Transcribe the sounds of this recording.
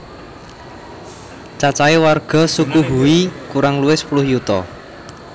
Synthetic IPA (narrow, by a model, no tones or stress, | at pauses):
t͡ʃat͡ʃaewarɡ̥ɔ̤sukuɦuikuɾaŋluɪspulʊhjut̪ɔ